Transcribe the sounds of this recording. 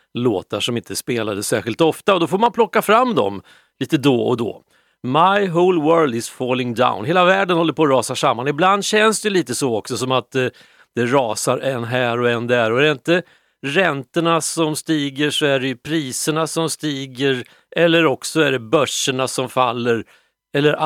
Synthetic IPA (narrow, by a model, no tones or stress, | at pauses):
lo̰ːt̪aʂɔmɪnt̪əspeːlad̪əsæːɾɧɪlt̪ɔft̪aɔd̪ɔfoːɾmanpʰlɔkːafɾamːd̪ɔ̰m | liːt̪əd̪ɔɔ̰d̪ɔ̰ | maɪɦɔlwɜːld̪ɪsfɔlɪŋd̪a̰ʊnɦeːlavæːɖənhɔlːəɾpʰoːɾɑːsaʂamːanɪbland̪ɕɛnsd̪ɛjliːt̪əsɔɔksɔsɔmat̪ | d̪̥ɛɾɑːsaɾɛnːɦæːɾɔɛnd̪æɾɔæɖɛɪnt̪ə | ɾɛnt̪əɳasɔmst̪iːɡəʂɔæɖɛjɵpʰɾiːsəɳasɔmst̪iːɡəɾ | ʔɛlːəɾɔksɔæɖɛbœʂəɳasɔmfalːəɾ | ɛlːəɾ